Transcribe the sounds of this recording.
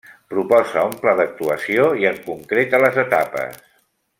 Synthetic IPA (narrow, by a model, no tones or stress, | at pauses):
pɾupɔzəumplaðək̚t̪uəsioiəŋkuŋkɾet̪ələzət̪apə̰s